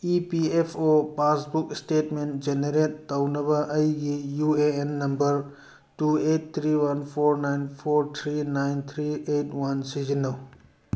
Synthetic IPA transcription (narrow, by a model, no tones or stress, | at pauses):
ipiepʰopasbuksʈetmentd͡ʒeneɾetːɐwnɐbɐʔɐjɡijueenːɐmbɐɾ | tuet̚t̪ʰɾiwɐnpʰoɾnajnpʰoɾt̪ʰɾinajnt̪ʰɾietwɐnsizinɐw